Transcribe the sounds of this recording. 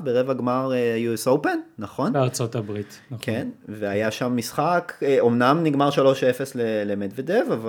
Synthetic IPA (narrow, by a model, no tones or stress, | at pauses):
beʁevaɡmaʁejuesopenːaχo̞naʁt͡sot̪abʁit̪ | kʰenveajaʃamːisχakeo̞mnamniɡmaʁʃalo̞ʃefe̞slelemedvedevava